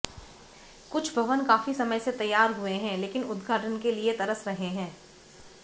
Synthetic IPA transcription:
kʊt͡ʃʰbʱɐʋənkaːfisɐməjset̪ɐjːaːɾɦueɦɛ̃leːkɪnʊd̪ɡʱaːʈənkeliet̪ɐɾəsɾɐɦeɦɛ̃ː

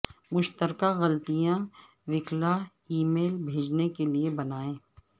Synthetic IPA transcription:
mʊʃt̪əɾkaɣɐlt̪ijã | ʋɪkla | iːmeːlbʱeːd͡ʒnekeliebɐnaːẽː

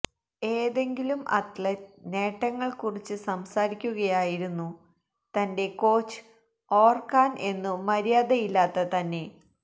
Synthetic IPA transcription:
e̞ːðe̞ŋɡilumʔɐ̰t̪lɐne̞ːʈːɐŋːɐɭkurit͡ɕːɨsɐmsaːɾikʲːuɣɐjaːjiɾunːu | t̪ɐnde̞ko̞ːt͡ɕːɨ̥ | oːrkaːnʔe̞nːɨmɐɾijaːðɐjilːaːt̪ːɐt̪ɐnːe̞

